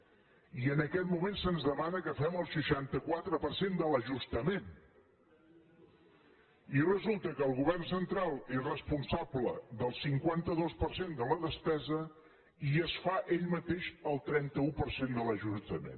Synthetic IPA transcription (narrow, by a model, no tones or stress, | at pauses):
iənəkɛt̪mumensənzðəmanəkəfɛməlˠsəʃant̪əkwat̪ɾəpəɾsend̪ələʒust̪əmen | irəzulˠt̪əkəːlˠɣuβɛrnsənt̪ɾalˠezrəspunsabləd̪əlˠsiŋkwant̪əðospəɾsend̪ələðəspɛzə | iəsfaʔeʎmət̪eʃəlˠt̪ɾɛnt̪əupəɾsend̪ələʒust̪əmḛn